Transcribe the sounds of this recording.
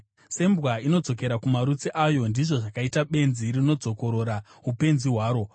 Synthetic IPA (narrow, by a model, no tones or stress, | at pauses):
se̞mbwaino̞d͡zo̞k̬e̞ɾakumaɾut͡siʔajo̞ndiʐo̞ʐakaitaɓe̞nzirino̞d͡zo̞ko̞ɾo̞ɾa | ɦupe̞nziɦwaːɾo̞